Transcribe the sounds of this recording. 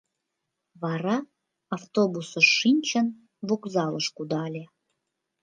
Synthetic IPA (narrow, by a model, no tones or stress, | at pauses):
βɑɾɑ | ɑft̪obusə̆ʃːinʲt͡ɕən | βukzɑləʃkud̪ɑlʲe